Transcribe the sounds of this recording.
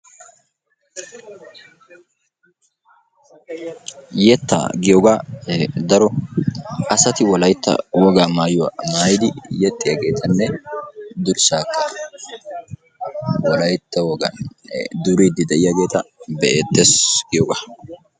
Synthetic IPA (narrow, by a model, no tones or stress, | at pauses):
jɛt̪ːa̰ɡɪjoɡaːd̪ɐɾɔ | ɐsɐt̪ɪwɔlɐjt̪ːɐ̰wɔɡaːmaːjʊwa̰ːmaːjɪd̪ɪjɛt̪ʼːɪjaɡe̞ːt̪ʰɐnːɛ | d̪ʊɾsaːkːɐ | wɔlɐjt̪ːɐwɔɡɐ̰nd̪ʊɾiːd̪ɪd̪ɛʔɪjaɡe̞ːt̪ɐbɛʔeːt̪ːɛsɡ̥ɪjɔɡa